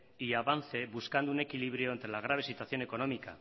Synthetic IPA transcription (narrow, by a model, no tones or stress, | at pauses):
iaβan̟θe̞βuskand̪uune̞kiliβ̞ɾjo̞ent̪ɾe̞laɣ̞ɾaβ̞e̞sit̪waθjo̞ne̞ko̞no̞mika̰